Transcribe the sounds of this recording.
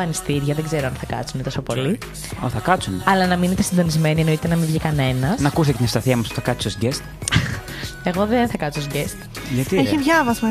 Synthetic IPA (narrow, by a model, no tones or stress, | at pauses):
ɐnist̪iɾʝɐðeɡze̞ɾoɐnθɐkɐ̰t͡sunet̪ɐsopo̞li | oθɐkɐt͡sunɐlɐnɐminit̪esind̪o̞nizme̞nie̞no̞it̪enɐmivʝikɐne̞nɐsnɐkus̬t̪ecet̪inest̪ɐθiɐmɐspu̥θɐkɐt͡sisosiɟest̪ | e̞ɣo̞ðenθɐkɐt͡s̪isosiɟest̪ | ʝɐt̪ieçivʝɐvɐzmɐ